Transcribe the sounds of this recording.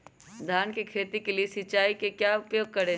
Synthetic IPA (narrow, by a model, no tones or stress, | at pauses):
d̪ʱaːnkikʰeːt̪ikeliesɪt͡ʃaːikekjaːʊpjoːɡ̚kɐɾẽː